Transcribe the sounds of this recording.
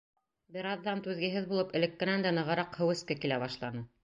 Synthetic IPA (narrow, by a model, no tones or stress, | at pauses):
bɘ̆ɾɑðːɑnt̪ʉðɡɘ̆ɦɘðbulˠɤpɘ̆lɘkːɘ̆nænd̪ænɤ̆ʁɤ̆ɾɑqhɘ̆wɘ̆skækilæβɑʃlˠɑnɤ